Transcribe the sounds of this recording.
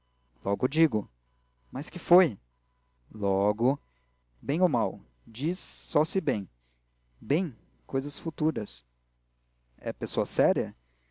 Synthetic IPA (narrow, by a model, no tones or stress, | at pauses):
lɔɡʊd͡ʒiɡʊ | mɐskɪfoj | lɔɡʊ | bẽj̃omaw | d͡ʒisːɔsɪbẽj̃ | bẽj̃ | kʰojzɐsfut̪uɾɐs | ɛ̰pesoɐsɛɾiɐ